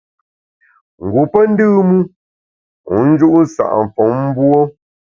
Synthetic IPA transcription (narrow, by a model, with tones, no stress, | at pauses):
ŋ̩˨ɡu˨pə˦n̩˦dɨː˦mu˦ | u˨˦n̩˦d͡ʒu˦ʔn̩˦sa̰˨ʔɱ̩˨fɔ˨˦ŋm̩˦bwɔ˦